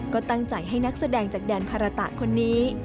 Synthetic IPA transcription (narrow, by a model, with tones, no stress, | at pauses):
kkɔː˥˩t̪a˥˩ŋt͡ɕa˨˩jɦa˥˩jna˦˥k̚sa˧dɛː˧ŋt͡ɕaː˨˩k̚dɛː˧npʰa˧ɾa˧t̪a̰˨˩ʔkʰo˧nːiː˦˥